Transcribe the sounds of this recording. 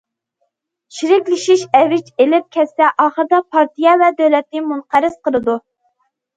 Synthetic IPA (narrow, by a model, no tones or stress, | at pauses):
ʃiɾɪkʲlɪʃiʃɛvɪt͡ʃelɪp̚kʲʰɛst̪ɛʔɑːχəɾd̪ɑpʰɑɾt̪ʰijɛvɛd̪øwlɛt̪nɪmunqæɾɪsqəlˠɨd̪u